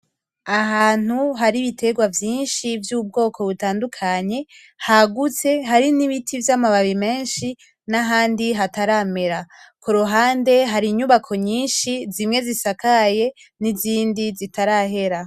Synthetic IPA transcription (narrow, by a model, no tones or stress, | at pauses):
aɦaːn̥uɦaɾiβitʰe̞ɡwavjiːnʃivjuːb̚ɡo̞ːkʰo̞βutaːndukʰaɲe̞ | haɡut͡se̞ɦaɾiniβitʰivjamaβaβime̞ːnʃi | naɦaːndiɦataɾame̞ɾakoɾoɦaːnde̞ɦaɾiɲuβakʰo̞ɲiːnʃizimŋe̞zisakaje̞ | niziːndizitaɾaɦe̞ɾa